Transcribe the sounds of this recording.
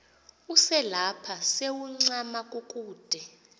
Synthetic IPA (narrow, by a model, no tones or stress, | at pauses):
usɛlapʰasewuŋ͡ǀamakʼukʼuːd̥ʱɛ